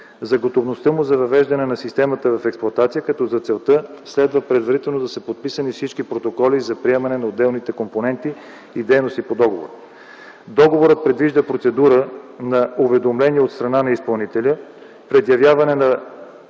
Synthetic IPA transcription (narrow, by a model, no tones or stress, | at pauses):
zɐɡot̪ovnost̪ɤmʊzɐvɐvɛʒd̪ɐnɛnɐsist̪ɛmɐt̪əvɐfɛksplˠɐt̪at̪sijəkɐt̪ɔzɐt̪sɛlˠt̪əslɛd̪vəpɾɛd̪vɐɾit̪ɛlˠnod̪ɐsəpot̪̚pisənifsit͡ʃkipɾot̪okɔlizɐpɾiɛmɐnɛnɐod̪ɛlˠnit̪ɛkomponɛnt̪i | id̪ɛjnost̪ipod̪ɔɡovo̰ɾ | d̪ɔɡovoɾət̪̚pɾɛd̪viʒd̪əpɾot̪sɛd̪uɾənɐovɛd̪omlɛniɛot̪st̪ɾɐnanɐispɐlˠnit̪ɛlʲə | pɾɛd̪jɐvjavɐnɛnɐ